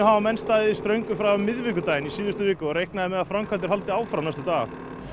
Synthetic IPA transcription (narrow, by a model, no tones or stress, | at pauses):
ʏhavamɛnst̪aːðɪist̪ɾœɥŋkʏfɾaamːɪðvɪk̬ʏt̪aːjɪnisiːðʏst̪ʏvɪːkʏɔɾejhknaðɪmɛðaðfɾamkʰant̪ɪɾ̥halt̪ɪaːwfɾawnajst̪ʏt̪aːɣa̰